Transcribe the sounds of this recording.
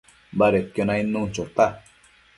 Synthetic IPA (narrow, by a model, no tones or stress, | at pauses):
baɾekjonãinũnt͡ʃot̪a